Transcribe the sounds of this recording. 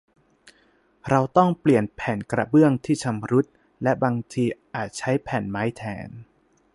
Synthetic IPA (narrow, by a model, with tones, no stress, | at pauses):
ɾa˧wt̪ɔ˥˩ŋpli˨˩ənpʰɛː˨˩nkɾa̰˧bɯ˥˩əŋt̪ʰiː˥˩t͡ɕʰa˧mɾu˦˥t̪̚ | lɛ˦˥baː˧ŋt̪ʰiː˧ʔaː˨˩t̪̚t͡ɕʰa˦˥jpʰɛː˨˩nmaː˦˥jt̪ʰɛ̰ː˩˦n